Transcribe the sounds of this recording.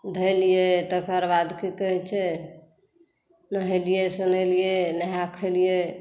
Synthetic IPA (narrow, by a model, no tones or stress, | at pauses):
d̪ʱəjlijet̪əkəɾbad̪kekəɦɛt͡ʃʰɛ | nəɦelijesənəlijenəɦakʰəlije